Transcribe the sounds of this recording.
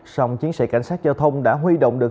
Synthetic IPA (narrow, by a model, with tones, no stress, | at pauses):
sa˧wŋ͡mt͡ɕi˨˦ənsɛ̰˧˩ka̰˧˩jŋ̟saː˦˥t̚zaː˧wt̪ʰə˧wŋ͡mɗa̰ː˧˥ɦwi˧ɗo̰˧˨wŋ͡mɗɨ˨˩ə